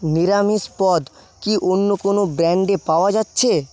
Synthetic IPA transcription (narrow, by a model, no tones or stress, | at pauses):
niɾamispɔd̪ | kiʔonːokonobɾɛɳɖepaoad͡ʑatːɕʰe